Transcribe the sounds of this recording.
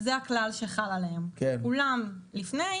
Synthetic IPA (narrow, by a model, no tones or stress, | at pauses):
zeaklalʃeχalaleemkekulamlifne